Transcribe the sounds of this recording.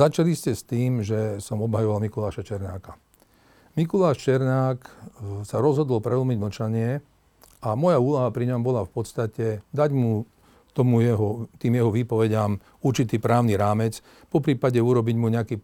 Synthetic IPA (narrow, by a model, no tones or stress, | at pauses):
at͡ʃaliscɛst̪iːmʒɛsɔmɔbɦajɔʋalmikulaːʃat͡ʃɛɾnaːka | mikulaːʃt͡ʃɛɾnaːksaɾɔzɦɔd̪ɔlpɾɛl̩miɟm̩t͡ʃaɲɪɛ | amɔjauːlɔɦapɾiɲɔmbɔlafpɔt̪st̪acɛd̪aɟmu | t̪ɔmujɛɦɔt̪iːmjɛɦɔʋiːpɔʋɛɟam | uɾt͡ʃit̪iːpɾaːʊniɾaːmɛt͡s | pɔpɾiːpaɟɛuɾɔbiɟmuɲɛakiː